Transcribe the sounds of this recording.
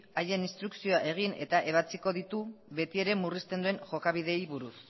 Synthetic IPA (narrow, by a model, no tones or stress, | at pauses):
aje̞ninst̪ɾuksio̞aʔe̞ɣ̞ine̞̰t̪aʔe̞β̞at͡siko̞ðit̪uβe̞t̪ie̞ɾe̞murist̪e̞nd̪ue̞ŋʝo̞kaβiðe̞jβuɾus